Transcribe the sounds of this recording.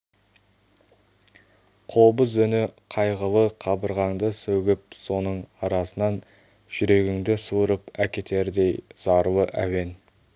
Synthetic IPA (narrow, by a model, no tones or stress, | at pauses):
qʰo̞bəzʏnɪqʰɑjʁəlˠəqʰɑbəɾʁɑŋd̪əsɵɡʲɪp̚so̞nəɴɑɾɑsənɑn | ʒ̥ʏɾe̞ɡʲɪŋd̪ɪsuɾəpækʲe̞t̪ʰe̞ɾd̪e̞jz̥ɑɾw̪ˠəʔæwe̞n